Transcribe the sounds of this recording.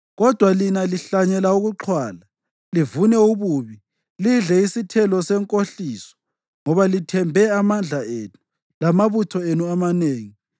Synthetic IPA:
ɣɔd̥ʱwalinaliɬaɲɛlauɣuǁʰwaːla | livunɛuβuβi | liɮɛisitʰɛlɔsɛŋkʼoɬiːsɔ̥ | ŋɔβalitʰɛmbʱɛamand͡ɮʱaeːnu | lamaβutʰɔenuamaneːŋi

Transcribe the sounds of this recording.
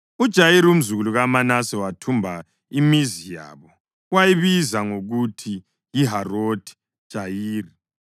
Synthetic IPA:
ud̥ʒ̥ʱajiɾium̩zuɣuluɣamanasɛwatʰumbʱa | imizija̰ːβɔ | wajiβizaŋoɣutʰi | jiɦarotʰi̥ | d̥ʒ̥ʱajiːri

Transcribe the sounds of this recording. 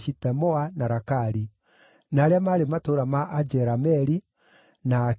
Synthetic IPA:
ʃitɛmɔanaɾakaɾi | naɾeamaɾematoɾamaʔad͡ʒɛɾamɛɾi | na

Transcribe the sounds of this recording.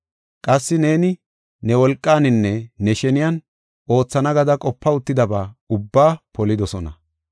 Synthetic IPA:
kʼɐsːɪne̞ːnɪ | nɛwɔlkʼːaːnɪnːɛnɛʃɛnɪjɐn | ʔo̞ːt͡sːɐnɐɡɐd̪ɐkʼɔpːɐʊt̪ːɪd̪ɐbaːʊbːaːpɔlɪd̪ɔsɔnɐ̰

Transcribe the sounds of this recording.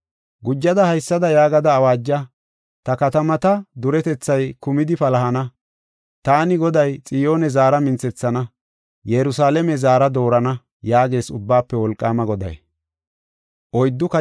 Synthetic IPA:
ɡʊd͡ʒːɐd̪ɐhɐjsːɐd̪ɐjaːɡɐd̪ɐːwaːd͡ʒːɐ | t̪ɐkɐt̪ɐmɐt̪ɐd̪ʊɾɛt̪ɛt͡sːɐjkʊmɪd̪ɪpɐlɐɦɐnɐ | t̪aːnɪɡɔd̪ɐjt͡sʼɪjo̞ːnɛzaːɾɐmɪnt͡sːɛt͡sːɐnɐ | jɛɾʊsaːlɛmɛzaːɾɐd̪o̞ːɾɐnɐ | jaːɡe̞ːsʊbːaːpːɛwɔlkʼːaːmɐɡɔd̪ɐ̰j | ʔɔjd̪ːʊkɐ

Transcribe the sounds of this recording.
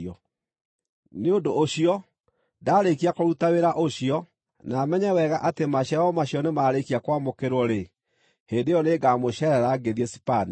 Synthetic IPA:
ɔ | neondoʔoɕiɔ | daːɾekiakoɾutaweɾaʔoɕiɔ | naːmɛɲɛwɛɣaʔatemaɕaɔmaɕjɔnemaɾekiakwamokeɾwɔɾe | hendejɔneːɡaːmoɕɛɾɛɾaɡeðiɛsipani

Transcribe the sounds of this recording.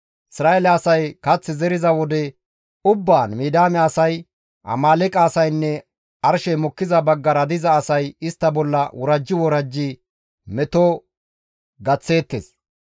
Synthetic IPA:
ʔɪsɾaːelɛɐsɐjkɐt͡sːɪzɛɾɪzɐwɔd̪ɛ | ʊbːaːnmiːd̪aːmɛɐsɐj | ʔɐ̰maːlɛkʼaːsɐjnːɛ | ɐɾʃɛjmɔkːɪzɐbɐɡːɐɾɐd̪ɪzɐːsɐjɪst̪ːɐbɔlːɐwʔɔɾɐd͡ʒːɪwɔɾɐd͡ʒːi | mɛt̪oː | ɡɐt͡sːe̞ːt̪ːeːs

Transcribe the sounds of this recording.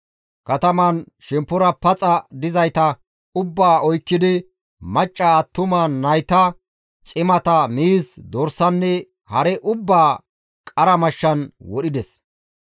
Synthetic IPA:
kɐt̪ɐmɐn | ʃɛmpːʊɾɐpɐt͡sʼɐd̪ɪzɐjt̪ɐ | ʊbːaːʔɔjkːɪd̪ɪ | mɐt͡ʃʼːɐɐt̪ːʊmɐːɐjt̪ɐ | t͡ʃʼɪmɐt̪ɐmiːsd̪ɔɾsɐnːɛ | hɐɾɛʔʊbːaː | kʼɐɾɐmɐʃːɐnwɔɗɪd̪ɛs

